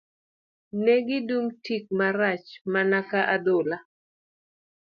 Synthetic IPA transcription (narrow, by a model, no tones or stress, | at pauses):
neɡɪdumtik̚maɾat͡ʃmanakaʔad̪ola